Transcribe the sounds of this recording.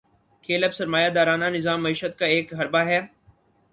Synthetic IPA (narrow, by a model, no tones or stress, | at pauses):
kʰeːləbsɐɾmaːjad̪aːɾaːnanɪzaːmːɐiːʃət̪̚kaeːkɦɐɾbaɦɛː